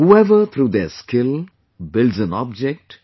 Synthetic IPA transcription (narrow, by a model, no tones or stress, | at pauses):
huɛʋət̪ʰɾuːd̪eskɪl | bɪlɖzə̃nɔ̰b̚d͡ʒɛk̚ʈ